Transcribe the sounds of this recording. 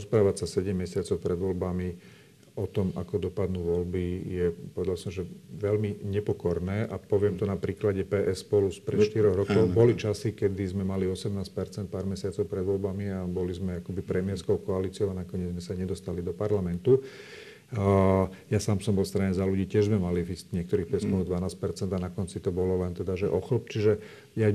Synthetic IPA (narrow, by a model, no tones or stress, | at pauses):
spɾaːʋacsasɛɟɛmːɛsɪat͡sɔʊpɾʔɛd̪ʋɔlbami | ɔt̪ɔma̰kɔd̪ɔpad̪nuʋɔlbijɛpɔʋɛd̪alsɔmʒɛʋɛlmiɲɛpɔkɔɾnɛːʔapɔʋɪɛmt̪ɔnapɾiːklaɟɛpɛːʔɛsːpɔluspɾɛt̪ʃt̪iɾɔɦɾɔkɔʊbɔlit͡ʃasikɛd̪izmɛmaliɔsɛmnaːsc̚pɛɾt͡sɛnt̪̚paːɾmɛsɪat͡sɔʊpɾɛd̪ʋɔlbamiabɔlizmɛakɔbipɾɛmɪɛɾskɔʊkɔaliːt͡sɪɔʊanakɔɲɪɛd͡zmɛsaɲɛd̪ɔst̪alid̪ɔpaɾlamɛnt̪u | jasaːmsɔmbɔlst̪ɾaɲɛzaluɟiːcɪɛʒzmɛmaliviscɲɪɛkt̪ɔɾiːxpɛskɔnɔɣd̪ʋanaːsc̚pɛɾt͡sɛnd̪anakɔnt͡sit̪ɔbɔlɔlɛnt̪ɛd̪aʒɛʔɔxlɔp̚t͡ʃiʒɛ | ja